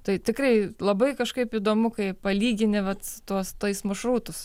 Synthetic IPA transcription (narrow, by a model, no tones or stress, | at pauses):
t̪ɐɪt̪ʲɪkɾɐɪlˠɐbɐɪkɐʃkɐɪpid̪oːmʊkɐɪpɐlʲiːɡʲɪnʲɪʋɐt̪t̪uɔst̪oɪsmɐʃɾuːt̪ʊs